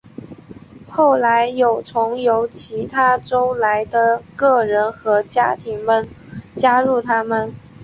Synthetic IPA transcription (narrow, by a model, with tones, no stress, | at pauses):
xo˥˩ʊla˧˥ɪjo˨˩ʊt͡sʰʊ˧˥ŋjo˧˥ʊt͡ɕʰi˧˥t̪ʰa˥ʈ͡ʂo˥ʊla˧˥ɪd̪ə˧kɤ˥˩ɻə˧˥nxɤ˧˥t͡ɕja˥t̪ʰi˧˥ŋmə˨n | t͡ɕja˥ɻu˥˩t̪ʰa˥mə˨n